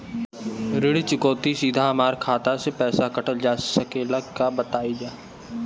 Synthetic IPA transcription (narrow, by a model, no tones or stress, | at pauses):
ɾɪɽt͡ʃɪkoːt̪isiːd̪ʱamaːɾkʰaːt̪asepɛːsakɐʈəld͡ʒaːsəkeːlakabət̪aːid͡ʒaː